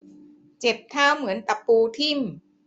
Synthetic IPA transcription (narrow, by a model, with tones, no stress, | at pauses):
t͡ɕe˨˩p̚t̪ʰaː˥˩wmɯ˩˦ənt̪a˨˩pːuː˧t̪ʰi˥˩m